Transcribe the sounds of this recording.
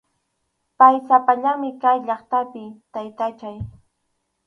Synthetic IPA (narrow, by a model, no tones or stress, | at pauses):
pajsapaʎaŋmɪkajʎɑχt̪apɪt̪ajt̪at͡ʃaj